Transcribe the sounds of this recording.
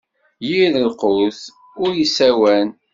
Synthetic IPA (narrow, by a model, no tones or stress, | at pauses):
jiðəlqʊθ | ʊɾjisæwæn